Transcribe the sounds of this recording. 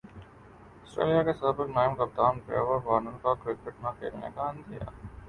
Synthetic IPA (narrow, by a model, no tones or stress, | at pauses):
ɔːsʈɾḛːlijakesaːbɪknaːɪmkɐp̚t̪aːmpɾḛːʋəɾʋaːnunkakɾɪkɪʈnakḛːlnḛkaɐ̃nd̪ija̰ː